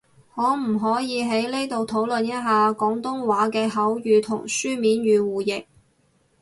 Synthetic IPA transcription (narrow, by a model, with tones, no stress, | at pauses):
hɔː˨˥m̩˨˩ɦɔː˨˥jiː˨˧ɦe˨˥jle˥t̪o˨wt̪ʰo˨˥wlɵ˨njɐ˥t̚ɦaː˨˧kɔː˨˥ŋt̪ʊ˥ŋwaː˨˥kɛː˧ɦɐ˨˥wjyː˨˧t̪ʰʊ̰˨˩ŋsyː˥miː˨˥njyː˨˧wuː˨jɪ˨k̚